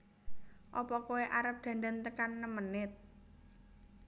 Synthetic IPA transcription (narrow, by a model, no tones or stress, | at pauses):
ʔɔpɔkoeʔaɾəp̚d̪̥ä̤nd̪ant̪əkanːəmənɪt̪̚